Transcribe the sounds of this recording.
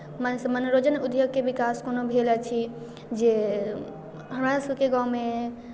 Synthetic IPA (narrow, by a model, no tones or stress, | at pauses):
mənsəmənɾod͡ʒənud̪joɡ̚kebikaskonobʱelət͡ʃʰi | d͡ʒe | ɦəmɾasəbkeɡãwme